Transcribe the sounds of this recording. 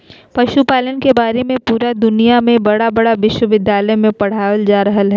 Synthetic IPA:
pɐʃupaːlənkebaːɾemẽpuːɾad̪ʊnijamẽbɐɽabɐɽaʋɪʃwəʋɪd̪jaːləjmẽpɐɽ̤aːəld͡ʒaːɾɐɦəlɦɛː

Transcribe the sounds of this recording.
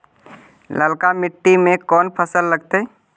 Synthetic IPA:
ləlkamɪʈːimẽkɔːnpʰəsəlːəɡt̪eɛ

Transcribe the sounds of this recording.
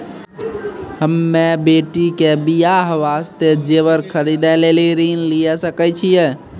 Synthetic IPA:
həmːebeʈikebijaɦəʋast̪ed͡ʒeβəɾkʰəɾid̪aleliɾinlijɛsəkɛt͡ʃʰijɛ

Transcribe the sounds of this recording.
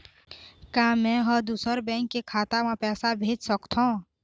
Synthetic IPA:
kãːmɛ̃ɦəd̪usəɾbɛ̃ːŋkːekʰaːt̪amãpɛːsabʱeːd͡ʒsəkt̪ʰõː

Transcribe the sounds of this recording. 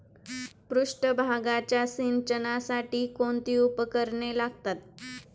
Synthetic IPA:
pɾuʂʈəbʱaɡat͡ɕjasint͡ɕənasaʈiːkoɳt̪iːupəkəɾɳelaɡt̪at̪̚

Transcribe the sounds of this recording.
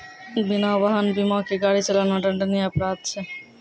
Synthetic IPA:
binawʋaɦənbimãkeɡaɽit͡ʃəlanaɖəɳɖənijapɾad̪̚t͡ʃʰɛ

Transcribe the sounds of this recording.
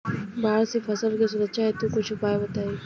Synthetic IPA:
baːɽsefʰɐsəlkesʊɾəʃʰaɦet̪okʊt͡ʃʰʊpaːebət̪aːi

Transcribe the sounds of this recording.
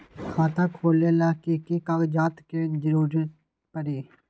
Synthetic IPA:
hãːt̪ãːkʰoːleːlaːkeːkeːkaɡd͡ʒaːt̪keːd͡ʒəɾuːɾ | pəɽeː

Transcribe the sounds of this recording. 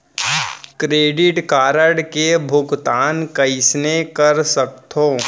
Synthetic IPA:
kɾeːɖɪʈkaːɾəɽkebʱʊɡt̪aːnkɐɪsnekəɾsək̚t̪ʰoː

